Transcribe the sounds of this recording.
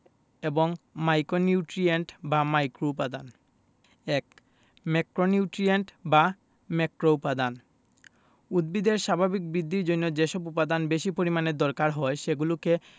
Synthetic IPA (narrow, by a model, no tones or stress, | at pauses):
eboŋmajkoniuʈɾieɳʈbamajkɾoupad̪an | ek | mekɾoniuʈɾieɳʈba | mekɾoupad̪an | ud̪̚bid̪eɾʃabʱabik̚bɾid̪ːiɾd͡ʑonːod͡ʑeʃɔbupad̪anbeʃipoɾimaned̪ɔɾkaɾɦɔeʃeɡuloke